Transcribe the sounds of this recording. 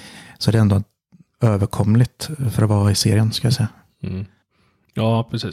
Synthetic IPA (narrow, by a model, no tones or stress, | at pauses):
sɔæd̪ɛɛnd̪ɔ | øːvəɾkʰɔmːlɪt̪fœɾɔvɑːɪseːɾɪənskɯljasɛjːa | jɑːpʰɾɛsiː